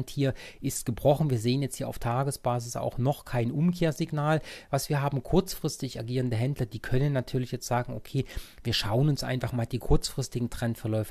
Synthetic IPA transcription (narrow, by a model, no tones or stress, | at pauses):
nthiːɐʔɪst̚ɡ̥əbʁɔχn̩viːɐzeːənjɛt͡sthiːɐaʊftʰaːɡəsb̥aːzɪsa̰ʊxnɔχkʰaɪnʔʊmkʰeːɐzɪɡnaːlvasv̥iːɐɦaːbm̩kʰʊɐt͡sfʁ̥ɪstɪçaɡiːʁəndəɦɛndlɐdiːkʰœnənːatʰyːɐlɪçjɛt͡stz̥aːɡŋ̩okʰeːviːɐʃaʊənʊnsʔa̰ɪnfaχmaːldiːkʰʊɐt͡sfʁ̥ɪstɪɡŋ̩tʁ̥ɛntfɛɐlɔʏf